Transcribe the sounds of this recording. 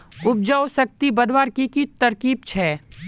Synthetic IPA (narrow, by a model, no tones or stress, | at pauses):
ʊb̚d͡ʒaːwsɐk̚t̪ibɐd̪waːɾkikit̪ɐɾkiːb̚t͡ʃʰɛː